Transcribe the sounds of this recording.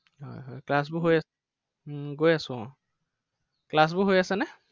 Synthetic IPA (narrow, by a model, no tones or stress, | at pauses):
ɦɔ̰jɦojklas̬bʊɦoja | ɡojasʊ̃ɔ | klas̬bʊɦojasɛnɛ